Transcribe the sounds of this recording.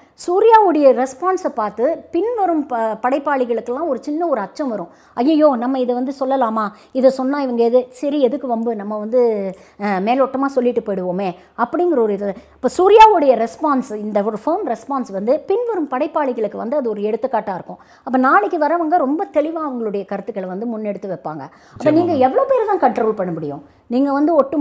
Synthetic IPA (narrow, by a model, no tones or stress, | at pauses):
suːɾɪjaːʋɯɽɐjɐɾɛspaːnsɐpaːɾt̪ɯpɪnʋɐɾɯmpɐɽɐɪpːaːɭɪɣɐɭɯkːɯlãːɔɾɯt͡ʃɪnːɐɔɾɯɐt͡ʃːɐ̃mʋɐɾʊ̃ | ɐjːɐjoːnɐmːɐɪðɛʋɐnd̪ɯsɔlːɐlaːmaː | ɪðɛsɔnːãːɪʋɐŋɡɐɛðɯsɐɾiɛðɯkːɯɾɔmbɯnɐmːɐʋɐnd̪ɯ | meːlɔʈːɐmaːsɔlːɪʈːɯpojɽɯʋoːmeː | ɐpːɐɽɪŋɡɪɾɐɔɾɯɪðɐɪpːɐːsuːɾɪjaːʋɯɽɐjɐɾɛspaːnsɪnd̪ɐɔɾɯfoːmɾɛspaːnsʋɐnd̪ɯpɪnʋɐɾɯmpɐɽɐɪpːaːɭɪɣɐɭɯkːɯʋɐ̰nd̪ɯɐðɯɔɾɯɛɽɯt̪ːɯkːaːʈːaːɪɾɯkːʊ̃ | ɐpːɐːnaːɭɪkːɯʋɐɾɐʋɐŋɡɐɾɔmbɐt̪ɛɭɪʋãːɐʋɐŋɡɐɭɯɽɐjɐkɐɾɯt̪ːɯkːɐɭʋɐnd̪ɯmʊnːɛɽɯt̪ːɯʋɛpːa̰ːŋɡɐ | ɐpːɐːniːŋɡɐɛʋːɐɭoːpeːɾt̪ãːkɐɳʈɾoːlpɐɳːɯmʊɽɪjʊ̰̃ | niːŋɡɐʋɐnd̪ɯɔʈːɯ